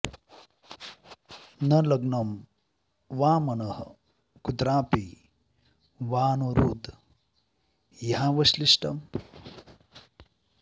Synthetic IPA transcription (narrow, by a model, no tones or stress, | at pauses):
nɐlɐɡnɐm | ʋaːmɐnɐh | kud̪ɾaːpi | ʋaːnuɾuːd̪ | jɐɦãʋɐʃliʂʈɐ̰m